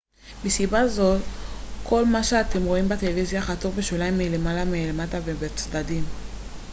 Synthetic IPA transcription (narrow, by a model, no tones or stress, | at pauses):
misibazo̞tkʰo̞lmaʃeate̞mʁo̞imbatelevizjaχatovbeʃolaimːile̞malamelematavebet͡sdadim